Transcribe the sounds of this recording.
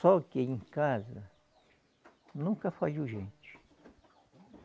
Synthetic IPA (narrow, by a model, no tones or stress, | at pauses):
sokeiŋkaza | nũkafaʎuʒent͡ʃi̥